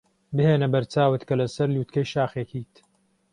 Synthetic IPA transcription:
bɨheːnɐbɐɾt͡saːwɨt̪kɐlɐsɐɾluːt̪kɐjʃaːxekiːt̪

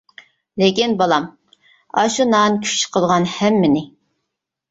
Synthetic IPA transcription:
lɪkʲinbɑlˠɑm | ɑʃunɑnkʲʰy̥t͡ʃqʰəlˠʁɑnhɛmːɪnɪ

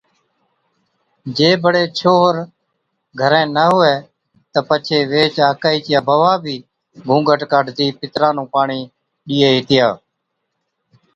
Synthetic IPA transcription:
d͡ʒeːbəɽeːt͡ʃʰoːɦɾ | ɡʱəɾẽːnəɦʊeː | t̪əpət͡ʃʰeːʋeːt͡ʃaːkaːiːt͡ʃɪjaːbəʋaːbʱiː | ɡʱũːɡʱəʈkaɖt̪iːpɪt̪ɾãːnũːpaːɳiː | ɗiːeːɦiːt̪ɪjaː

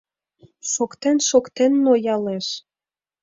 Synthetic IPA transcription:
ʃokt̪enʃokt̪enːojɑleʃ

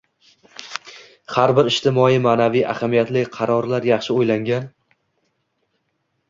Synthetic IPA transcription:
haɾbɪɾɪʃt̪ʰɪmɒimaːnavija̰hamijat̪lɪqʰɑɾɒɾlaɾjɑχʃɪojlaŋɡʲan

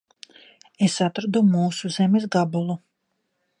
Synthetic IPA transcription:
esat̪ɾad̪umuːsuzɛmes̬ɡabulˠu

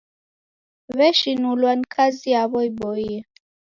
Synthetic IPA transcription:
βɛʃinulwanikʰaziaβɔibɔiɛ

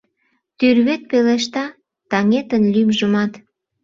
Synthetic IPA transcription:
t̪yrβet̪̚peleʃt̪ɑ | t̪ɑŋet̪ənlymʒəmɑt̪

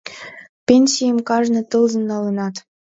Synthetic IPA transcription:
pʲenʲsʲijəmkɑʐnɤ̆t̪ɤlˠzɤ̆nːɑlə̆nɑt̪

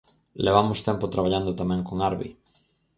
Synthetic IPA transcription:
leβ̞amʊst̪ɛmpot̪ɾaβ̞aʎand̪ʊt̪amɛ̃ŋkoŋaɾβḭ

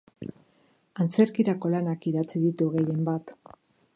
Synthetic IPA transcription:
ant͡se̞ɾkiɾako̞lanakiðat͡siðit̪uɣe̞je̞mbat̪

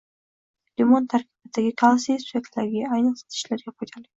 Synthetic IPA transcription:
lɪmont̪ʰaɾkʲʰɪ̥bɪd̪aɡʲɪkʰalˠasiespʲek̚t̪laɾɡʲaajnɨqsɑ̥t̪ʰɪ̥ʃlaɾɡʲapʰojt̪ʰalɪ

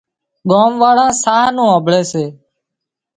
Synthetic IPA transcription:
ɠoːmʋaːɭãːsaːnũːəbʱɭeːseː

